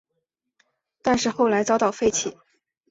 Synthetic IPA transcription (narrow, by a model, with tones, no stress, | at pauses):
t̪a˥˧nʂɻ̩˥˧xo˥˩ʊla˧˥ɪt͡sɑ˥ʊt̪ɑ˥˩ʊfe˥˧ɪt͡ɕʰi˨˩˦